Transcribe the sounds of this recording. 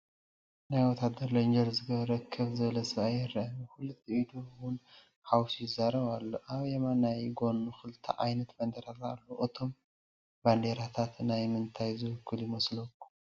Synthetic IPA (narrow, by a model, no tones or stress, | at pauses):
najwɔt̪ʰad̪ːɐɾlɐnd͡ʒɐlzɨɡɐβɾɐkʰːɨβzɨβlɐsɨβajːɪɾɐmxulut̪ʰːiʔid̪uwʊn | hawsjɪzːaɾɐβalːo̞ʔaβjemanːajɡo̞nuxɨlt̪ʰɐ̰ʔajnɐt̪band̪eɾalalːoʔɨt̪ʰo̞m | band̪eɾat̪ʰat̪najmɨnt̪ʰajzɨwɨkʰːɨljɪmɐslokːu̥